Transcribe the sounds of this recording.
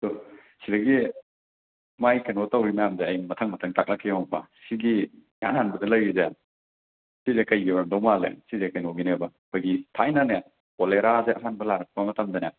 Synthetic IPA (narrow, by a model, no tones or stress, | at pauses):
to | sidɐɡi | majkɐnotawɾimɐjamzeɐjmɐtʰɐŋmɐtʰɐŋtʰak̚lɐkʰːiɔŋbɐsiɡija̰nanbɐdɐlɐjize | sizekɐjɡiɾandɔmalḛsizekɐjnoɡinebɐ | paɡitʰajnɐna | koleɾazeʔɐɦanbɐlaɾɐk̚pɐmɐtɐmdɐne